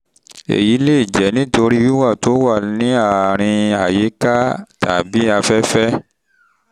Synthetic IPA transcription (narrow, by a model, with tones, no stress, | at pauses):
ḛ˨ji˨˦le˦˨i˨d͡ʒɛ˨˦nĩ˦to˧ɾi˦wi˦wa˦˨to˨˦wa˦˨nĩ˨˦a˦˨ɾ̃ĩ˧a˨je˨˦ka˦ta˨bi˨˦a˧fɛ˦fɛ˦